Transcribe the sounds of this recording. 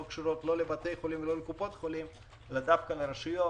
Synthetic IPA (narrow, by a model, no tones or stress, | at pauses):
kʃuɾo̞t̪lo̞lebat̪ejχolimvelo̞lekupot̪χolim | elad̪afkaleɾeʃujo